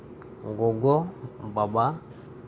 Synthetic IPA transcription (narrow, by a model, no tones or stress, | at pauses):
ŋɡɔɡɔbaba